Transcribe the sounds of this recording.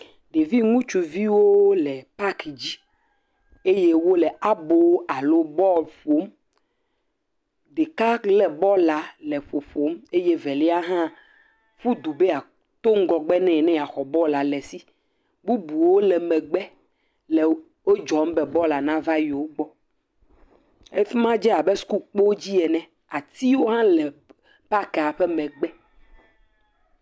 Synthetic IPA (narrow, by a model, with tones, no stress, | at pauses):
ɖe˨vi˦ŋũ˦t͡ʃu˨vi˦wo˦lɛ˨pa˦kd͡ʑi˦ | e˦je˦wo˦lɛ˨a˦bo˦o˦a˨lo˦bɔ˦ɸo˨˦m | ɖe˨ka˦klɛ˨bɔ˦la˨lɛ˨ɸo˨ɸo˨˦me˦je˦vɛ˨lɛ˦a˦ɦã˦ | ɸu˦d̪u˨be˦a˨ | t̪o˦ŋ̩˦ɡɔ˨ɡ͡bɛ˦nɛ̃˨nɛ̃˦ja˨xɔ˨bɔ˦la˨lɛ˨si˦ | bu˦bu˨wo˦lɛ˨mɛ˨ɡ͡bɛ˦ | lɛ˨ | wo˦d͡ʒɔ˨˦m˦bɛ˨bɔ˦la˨nã˦va˦ji˨wo˦ɡ͡bɔ˦ | e˦fi˦mã˦d͡ʒɛ˦a˨bɛ˦su̥˦ku˦k͡po˦d͡ʑi˦ɛ˨nɛ̃˨ | a˨t̪i˦wo˦ɦã˦lɛ˨ | pa˦kɛ˨a˨ɸɛ˦mɛ̃˨ɡ͡bɛ˦